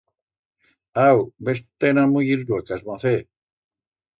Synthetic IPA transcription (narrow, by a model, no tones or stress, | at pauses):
awbest̪enamujiɾdokasmoθe